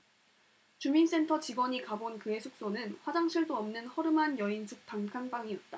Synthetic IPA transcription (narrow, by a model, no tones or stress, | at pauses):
t͡ɕumins͈e̞ntʰʌt͡ɕiɡwʌɲikabonkɯe̞sʰok̚s͈onɯnɸwad͡ʑaŋɕʰiɭdoʌmnɯnhʌɾɯmɦanjʌinsʰɯk̚t͈aŋkʰaŋbaŋiʌt̚t͈a